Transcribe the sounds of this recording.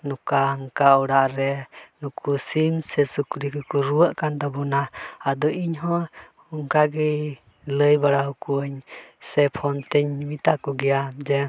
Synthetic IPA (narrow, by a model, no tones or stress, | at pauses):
nukaəŋkaɔɽaʔɾɛnukʰusimsɛsukɾikɔkuɾuəʔkand̪ɔbɔnaad̪ɔʔiɲɦɔ̃ | uŋkaɡɛj | ləjbaɽaɦukuəɲsɛpʰɔnt̪ɛɲmit̪akɔɡɛjad͡ʒɛ